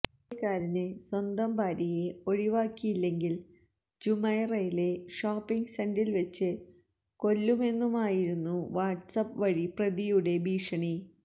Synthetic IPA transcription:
ɐkːaːɾineswɐnd̪ɐmbʱaːɾijeo̞ɻiʋaːkːijilːe̞ŋɡil | d͡ʑumɐjrɐjile̞ʂaːpːiŋɡsendilʋet͡ɕːɨ | ko̞lːume̞nːumaːjiɾunːuʋaːʈsɐpːʋɐɻiprɐðijuɽe̞bʱiːʂɐɳi

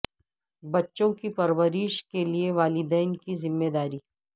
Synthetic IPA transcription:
bɐtːʃõkipɐɾʋəɾɪʃkelieʋaːlɪd̪ɛːnkizɪmːeːd̪aːɾiː

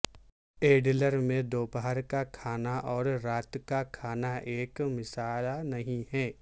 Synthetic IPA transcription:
eːɖləɾmẽd̪oːpaɦəɾkakʰaːnaʔɔːɾːaːt̪kakʰaːnaʔeːkmɪsaːlanɐɦĩɦɛː

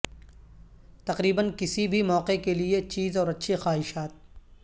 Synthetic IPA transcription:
t̪ɐqɾiːbənkɪsibʱimɔːqekeliet͡ʃiːzɔːɾɐtːʃʰixaːɦɪʃaːt̪̚

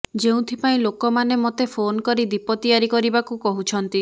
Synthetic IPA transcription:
d͡ʒeũt̪ʰipaĩlokɔmanemot̪epʰonkɔɾid̪ipɔt̪iaɾikɔɾibakukɔɦut͡ʃʰɔnt̪i

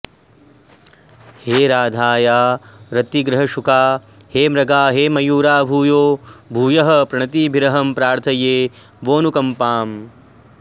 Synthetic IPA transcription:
heːɾaːd̪ʱaːjaːɾɐt̪iɡɾɐɦɐʃukaː | heːmɾɐɡaːɦeːmɐjuːɾaːbʱuːjoːbʱuːjɐɦɐ̆pɾɐɳɐt̪iːbʱiɾɐɦɐmpɾaːɾt̪ʰɐjeː | ʋoːnukɐmpaːm

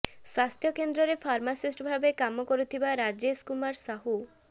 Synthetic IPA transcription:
swast̪ʰjɔkend̪ɾɔɾepʰaɾmasisʈbʱabekamɔkɔɾut̪ʰibaɾad͡ʒeskumaɾsaɦu

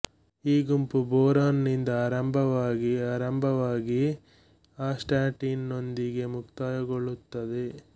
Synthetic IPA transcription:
iːɡumpubɔːɾaːnnind̪ɐaːɾɐmbʱɐʋaːɡiaːɾɐmbʱɐʋaːɡi | aːsʈaːʈinːo̞nd̪iɡe̞mukt̪aːjɐɡoɭut̪ːɐd̪e

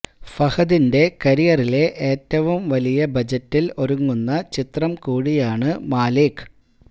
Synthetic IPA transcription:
fɐhɐðinde̞kɐɾijɐrile̞ʔeːtːɐʋumʋɐlijɐbɐd͡ʑɐtːilo̞ɾuŋːunːɐt͡ɕit̪rɐmkuːɻijaːɳɨmaːlikː

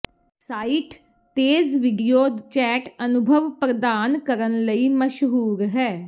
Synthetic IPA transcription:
saːiːʈ | t̪eːzʋiɖijoːd̪t͡ʃɛːʈənʊbʱəʋpɾəd̪aːnkəɾənləiːməʃɦuːɾɦɛː

